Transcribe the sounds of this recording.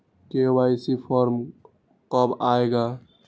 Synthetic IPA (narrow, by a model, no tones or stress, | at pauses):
kewaisipʰɔɾm | kɔbaeɡa